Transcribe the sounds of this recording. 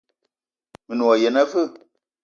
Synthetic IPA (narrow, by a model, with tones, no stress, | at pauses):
mɨ˨nu˨ɔ˨je˨na˦vɨ˦˨